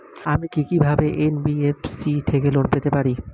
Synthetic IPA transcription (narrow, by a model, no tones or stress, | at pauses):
amikikibʱabeʔenbiefsit̪ʰekelonpet̪epaɾi